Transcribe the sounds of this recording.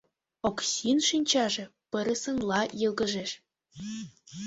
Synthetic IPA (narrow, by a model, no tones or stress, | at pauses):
oksʲinʃinʲt͡ɕɑʒĕpɤ̆ɾɤ̆sɤ̆nlˠɑjɤlˠɡɤ̆ʒeʃ